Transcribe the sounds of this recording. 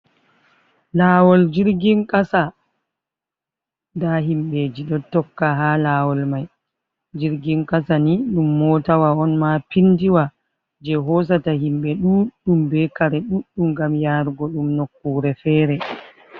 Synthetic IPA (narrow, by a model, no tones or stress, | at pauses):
laːwɔld͡ʒiɾɡinkʼasa | ndaɦimɓeːd͡ʒiɗɔtɔkːaɦaːlaːwɔlmaj | d͡ʒiɾɡinkasaniɗumːɔtawaɔnmapindiwa | d͡ʒɛɦɔsatahimɓɛɗuːɗumbɛkaɾɛɗuɗːumɡamjaɾɡɔɗumnokːuːɾɛfɛːɾɛ